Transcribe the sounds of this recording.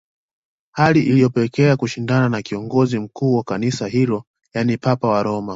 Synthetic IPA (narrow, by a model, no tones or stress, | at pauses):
haliʔilijɔpɛɛkɛakuʃindananakiɔŋɡɔzim̩kuːwakanisaɦilɔ | janipapawaɾɔma